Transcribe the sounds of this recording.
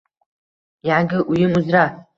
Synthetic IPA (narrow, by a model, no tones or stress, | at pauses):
jʕaɡʲɪʔujɪmuzra